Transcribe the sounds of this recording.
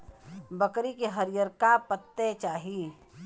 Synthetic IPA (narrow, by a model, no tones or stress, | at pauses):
bəkɾikeɦəɾjəɾkapət̪ːet͡ʃaːɦi